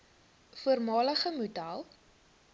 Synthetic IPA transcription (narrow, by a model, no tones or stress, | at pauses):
fuərmɑːləχəmudalˠ